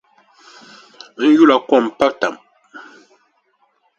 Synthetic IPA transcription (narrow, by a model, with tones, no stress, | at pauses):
n̩˦ju˦˨la˨kwɔ˦˨m̩˨pa˦ta˨m